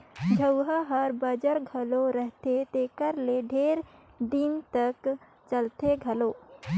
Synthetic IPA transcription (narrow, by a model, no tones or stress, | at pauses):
d͡ʒʱəwɦaɦəɾbəd͡ʒəɾɡʱəloɾəɦt̪et̪ekəɾleɖʱeːɾd̪int̪ək | t͡ʃəlt̪eɡʱɐloː